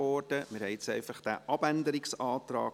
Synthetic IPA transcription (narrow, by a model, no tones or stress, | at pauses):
ɔːrd̥əmɪɾhɛjɪt͡sɛɪfɑχd̥æ̰ːʔɑb̥ænd̪əɾɪksɑːt̪ɾɑ̰ː